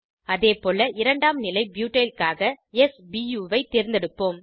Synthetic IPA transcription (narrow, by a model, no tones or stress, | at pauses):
ɐðeːpoːlɐʔɪɾɐɳɖaːmnɪlɐɪbjuːʈːɐjlkaːɣɐɛsbijuːʋɐɪt̪eɾɪnd̪ɛɽɯpːoːm